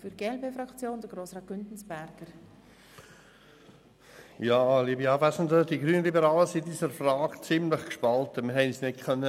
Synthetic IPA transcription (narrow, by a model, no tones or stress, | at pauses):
fyɾɡeːɛlpeːfɾɑkt͡sjoːnd̥̪əɡɾoːsrɑːt̚ɡ̥ʏntn̩sbæɾɡ̥əɾ | jɑːliːbiɑːvæsn̩dədiɡɾyːnəlibəɾɑːləsidiːsəɾfrɑːɡt͡sɪmlɪχkʃpɑlt̪əmɪɾɦɛɪnsnɪ̥kʰœnːə